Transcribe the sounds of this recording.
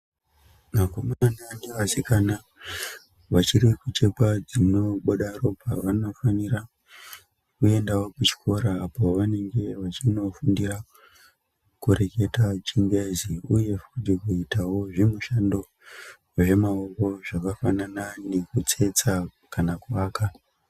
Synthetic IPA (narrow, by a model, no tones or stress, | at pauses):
makomaneaneʋasikana | ʋat͡ʃiɾikut͡ʃe̞kad͡zino̞ɓoɗaro̞pa̰ʋano̞fanira | kue̞ndawokut͡ʃi̥kʰo̞ɾaːpo̞ʋane̞ŋɡe̞ʋat͡ʃino̞fundira | kuɾe̞ke̞tat͡ʃiŋɡeziuje̞fudikuitawo̞ʐimuʃando̞ | ʐe̞maoko̞ʐakafanananekut͡se̞t͡sa | kanakuaːka